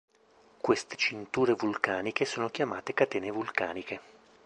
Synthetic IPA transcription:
kwest̪e̥t͡ʃint̪uːɾevulkaːnikesoːnok̟jamaːt̪ekat̪eːnevulkaːnikʰe

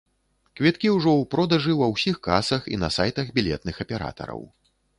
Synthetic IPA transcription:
kvʲit̪kʲiwʐɔwpɾɔd̪ɐʐɨwɐwsʲixkasɐxḭnɐsajt̪ɐɣbʲilʲɛt̪̚nɨxɐpʲɛɾa̰t̪ɐ̰ɾɐ̰w

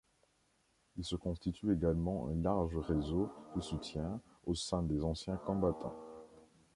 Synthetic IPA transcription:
ilsəkɔ̃st̪it̪yeɡalmɑ̃ʔɛ̰̃laʁʒəʁezod̪̥əsut̪jɛ̃ | osɛ̃d̪ezɑ̃sjɛ̃kɔ̃bat̪ɑ̰̃

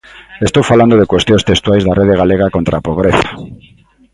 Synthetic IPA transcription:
est̪owfaland̪oð̞ekwest̪jõnst̪est̪wajzðareðeɣaleɣ̞akont̪ɾapoβ̞ɾeθḁ

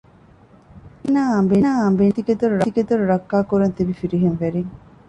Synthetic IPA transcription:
enaːɐmbenaːɐmbent̪iked̪oɾuɾɐiked̪oɾuɾɐkːaːkuɾɐnt̪ibifiɾiɦenʋeɾiŋ

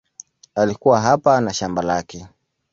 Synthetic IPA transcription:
alikuwaɦapanaʃambalakɛ

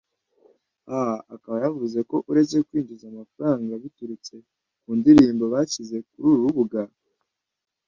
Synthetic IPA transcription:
ahaakaβajavuze̞ko̞ʔuɾe̞t͡se̞kwiːnd͡ʒizamafaɾaːŋɡaβituɾut͡se̞ | kuːndiɾiːmbo̞βaːcize̞k̚uɾuːɾuβuɡa

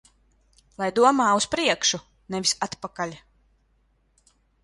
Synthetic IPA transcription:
lˠajd̪uɔmaːuspɾiɛkʃu | nɛvisat̪pakalʲ

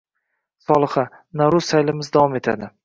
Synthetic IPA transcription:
sɒlˠɨχa | naɾʊzsajlɪmɪzd̪avɒme̞t̪ʰa̰d̪ɪ

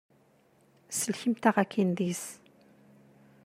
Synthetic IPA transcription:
səlçimt̪aʁækʰːinðis

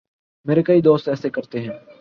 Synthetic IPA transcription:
meːɾekɐiːd̪oːst̪ɛːsekəɾt̪eɦɛ̃ː

